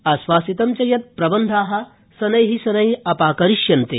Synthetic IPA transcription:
ɐsʋaːsit̪ɐmt͡ʃɐjɐt̪̚pɾɐbɐnd̪ʱaːɦɐ̆ | sɐnɐjɦisɐnɐjɐpaːkɐɾiʃjɐnt̪ḛː

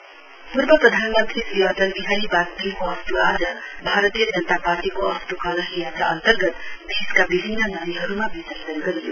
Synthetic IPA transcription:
purbʌprʌd̪ʱanmʌnt̪ɾisriʌt̪ʌlbiɦaɾibak̚t̪imkoʌst̪uad͡zʌbʱaɾʌt̪ijʌd͡zʌnət̪aparʈikoʌst̪ukʌlʌɦijat͡saʌ̰nt̪ʌrɡʌt̪d̪ʱiskabibʱinːʌnʌniɦʌɾumabisʌssʌnɡʌɾijo̰

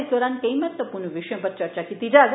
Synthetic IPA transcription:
zd̪ɔɾankəjmat̪ʋəpuɾnəʋɪʃəjə̃pəɾt͡ʃəɾt͡ʃakit̪id͡ʒaɡ

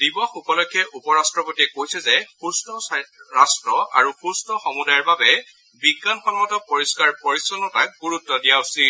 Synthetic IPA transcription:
d̥ibɔxupɔlɔkʰːjɛʔupɔɹastɹɔpotiɛkojsɛzɛxustɔɹastɹɔa̰ɹuxustɔxɔmudajɔɹbabɛ | biɡːanxɔlɔmɔtɔpɔɹiskaɹpɔɹisɔnɔtak̚ɡuɹutːɔdijaʊsi

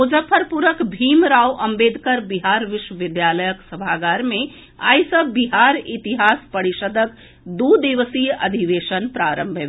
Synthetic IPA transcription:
od͡ʒəpʰəɾpuɾəkbʱimɾawʔɐmbeːd̪ʱkəɾbiɦaɾʋɪʃwəʋɪd̪jaləjəksəbʱaɡaɾmẽ | a̰ːjsəbiɦaɾit̪iɦaːspəɾiʃəd̪ʱək̚ | d̪ud̪iʋəsijɐ̰d̪ʱiʋeʃənpɾaɾəmbʱə

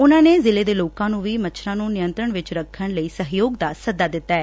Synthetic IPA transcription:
ʊnãːneːzɪleːd̪eːloːkãːnũːʋiːmət͡ʃʰʃʰɾãːnũːnɪjə̃nt̪ɾəɳʋɪt͡ʃɾəkʰːəɳləiːsəɦjoːɡd̪aːsəd̪aːd̪ɪt̪ːaːɛː

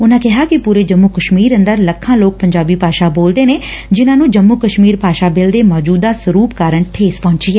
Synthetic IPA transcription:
ʊnãːkɪɦaːkɪpuːɾeːd͡ʒəmːuːkəʃmiːɾə̃nd̪əɾləkʰːãːloːk̚pəɲd͡ʒaːbiːpaːʃaːboːld̪eːneːd͡ʒɪnãːnũːd͡ʒəmːuːkəʃmiːɾpaːʃaːbɪld̪eːmɔːd͡ʒuːd̪aːsəɾuːpkaːɾəɳʈʰeːspɔ̃ːɲt͡ʃiːɛː

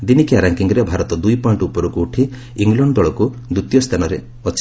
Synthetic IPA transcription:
d̪inikiaɾaŋkiŋɡɔɾebʱaɾɔt̪ɔd̪ujpɔiɳʈuupɔɾukuːʈʰi | iŋɡlɔɳɖɔɭɔku | d̪ɾut̪jɔst̪ʰanɔɾḛ | ɔt͡ʃ

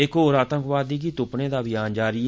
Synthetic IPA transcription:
ɪkɦoːɾaːt̪ə̃ŋkʋaːd̪iːɡiːt̪ʊpnẽːd̪aːbɪjaːnd͡ʒaːɾiː

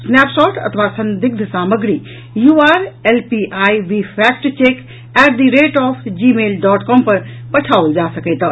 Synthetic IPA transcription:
snɛːpʃɔːʈɐ̰t̪ʰʋasɐ̃nd̪ɪɡ̚d̪ʱsaːməɡɾiː | juːaːɾelpiʔaːjʋipʰɛːk̚ʈt͡ʃeːk | ɛːʈd̪iɾeːʈɔːpʰd͡ʒiːmeːlɖɔːʈkɔːmpɐɾ | pɐʈʰaːuld͡ʒaːsɐkeːt̪

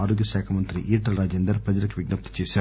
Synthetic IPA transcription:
aːɾoːɡjɐsɛːkʰɐmɐnt̪ɾiʔiːʈːɐlɾaːd͡ʒeːnd̪ɐɾpɾɐd͡ʒɐɾɐkːʋɪɡ̚nɐp̚t̪t͡ʃeːsaː

